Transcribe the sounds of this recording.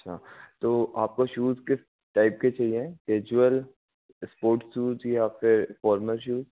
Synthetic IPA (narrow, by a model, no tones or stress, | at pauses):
ɐʈːʃʰa̰ːt̪oːʔaːp̚koʃuːzkɪs | ʈaːɪp̚ket͡ʃaːɦiẽkeːd͡ʒuəl | spoːɾʈʃuːzjafɪɾfɔːɾməlʃuːz